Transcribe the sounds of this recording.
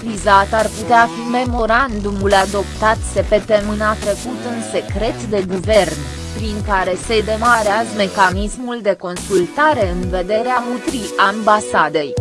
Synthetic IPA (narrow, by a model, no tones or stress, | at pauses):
vizat̪arput̪eafime̞mo̞ɾand̪umulad̪o̞pt̪at̪se̞pe̞t̪e̞mɨnat̪ɾe̞kut̪ɨnse̞kɾe̞t̪d̪e̞ɡuve̞rn | pɾiŋkaɾe̞se̞d̪e̞maɾeazəme̞kanismuld̪e̞ko̞nsult̪aɾe̞ɨnve̞d̪e̞ɾeaut̪ɾiambasad̪e̞j